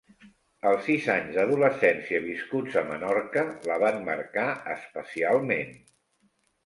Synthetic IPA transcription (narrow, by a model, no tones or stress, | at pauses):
əlˠsizaɲzðəðuləsɛnsiəβ̞iskud͡zəmənɔrkələβanməɾkaə̰spəsialˠmen